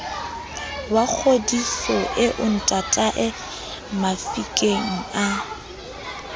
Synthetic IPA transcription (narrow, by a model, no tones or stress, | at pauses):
wak͡xʰodifɔʔɪʔʊn̩tʼatʼaʔɪ | mafikʼeŋ̩a